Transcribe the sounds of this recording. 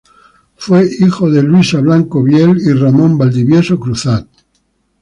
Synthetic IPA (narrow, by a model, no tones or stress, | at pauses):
fweixoðelwisaβlaŋkoβjeliramõmbald̪iβjesokɾuθal